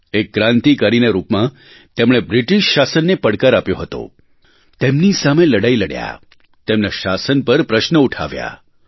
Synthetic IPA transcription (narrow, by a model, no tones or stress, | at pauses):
ek̚ːɾãnt̪ikəɾineɾupmã | t̪emɽ̃ebɾiʈiʃːasənːepəɽkəɾapjoɦət̪o̰ | t̪emnisameləɽajləɽja̰ | t̪emneʃasənpəɾpɾəʃnəuʈʰa̰ʋja̰